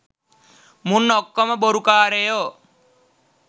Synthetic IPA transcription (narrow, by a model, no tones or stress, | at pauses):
munːɔkːɔməboɾukaːɾejo